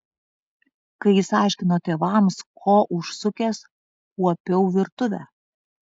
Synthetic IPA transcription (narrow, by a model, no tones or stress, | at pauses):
kɐɪɪsɑˑɪʃʲkʲɪnoːt̪ʲeːʋɐmskʰoːʔʊʃsʊkʲeːs | kuɔpʲɛʊʋʲɪɾt̪ʊʋʲæ